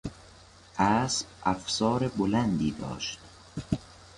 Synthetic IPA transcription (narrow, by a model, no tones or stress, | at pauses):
ʔæːsbʔæfsɒːɾebolænd̪iːd̪ɒ̰ːʃt̪